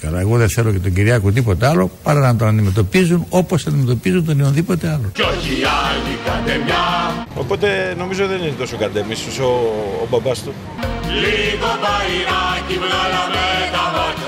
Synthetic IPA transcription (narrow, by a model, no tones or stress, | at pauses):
kɐlɐe̞ɣo̞ðeθe̞lo̞cet̪oɲɟiɾiɐkut̪̬ipo̞t̪eɐlo̞pɐɾɐnɐt̪̬onɐnd̪ime̞t̪o̞pizuno̞po̞sɐnd̪ime̞t̪̬opizunt̪onionðipo̞t̪e̞ɐlo̞oiaɲikɐd̪emɲɐopo̞t̪e̞no̞mizot̪iðeninet̪o̞sokɐd̪emist̪usoːbɐbɐst̪u | likot̪ɐiɾɐcimɐɐmet̪ɐ